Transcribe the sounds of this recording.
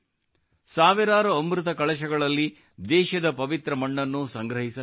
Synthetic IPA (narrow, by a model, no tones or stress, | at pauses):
saːʋiɾaːɾɐːmɾut̪ɐkɐɭɐʃɐɡɐɭɐlːi | d̪ɛːʃɐd̪ɐpɐʋit̪ɾɐmɐɳːɐnːusɐŋɡɾɐɦisɐ